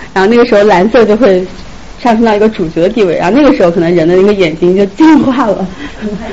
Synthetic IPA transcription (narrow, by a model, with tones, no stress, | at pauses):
ɻa˧˥xo˥˧ʊna˥˩ɡə˩ʂɻ̩˧˥xo˥˩ʊla˧˥nsɤ˥˧t͡ɕjo˥˧ʊxwe˥˧ɪ | ʂɑ˥˩ŋʂ̬ŋt̪ɑ˥˩ʊi˧˥ɡə˧ʈ͡ʂu˨˩t͡ɕɥɛ˧˥d̪ə˧t̪̬i˥˧we˥˩ɪɻa̰˧˥xn˥˩ɡə˩ʂɻ̩˧˥xʊkɤ˨˩n˧˥ŋɻə˧˥nd̪ə˧˥˩ɡə˧jɛ˨˩nt͡ɕi˥ŋt͡ɕjo˥˧ʊt͡ɕi˥˧nxwa˥˩lə̰˩